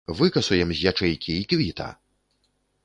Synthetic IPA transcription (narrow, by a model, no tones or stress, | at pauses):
vɨkɐsujɛmzʲjat͡ʂɛjkʲʰiikvʲit̪ɐ̰